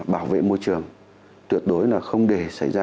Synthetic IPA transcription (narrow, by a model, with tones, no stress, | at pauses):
ɓaː˧˩wvḛ˧˨mo˧jt͡ɕɨ˨˩əŋ | t̪wi˨˩ət̚ɗo˨˦jlaː˨˩xə˧wŋ͡mɗe˧˩sa̰˧˩jzaː˧